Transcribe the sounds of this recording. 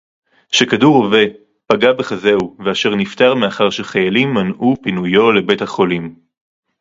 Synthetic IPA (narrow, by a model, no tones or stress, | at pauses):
ʃe̞kaduʁove̞ | paɡabeχaze̞uveaʃe̞ʁnift̪aʁmeaχaʁʃeχajalimːanʔupinujo̞le̞be̞thaχo̞lim